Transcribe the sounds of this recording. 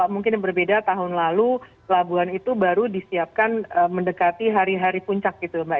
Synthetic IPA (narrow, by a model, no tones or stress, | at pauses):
aʔmuŋkɪnbərbedat̪aɦʊnlalukəlabuanit̪ubaɾudisiap̚kanəməndəkat̪iɦaɾiɦaɾipuɲt͡ʃak̚ɡit̪umbaʔ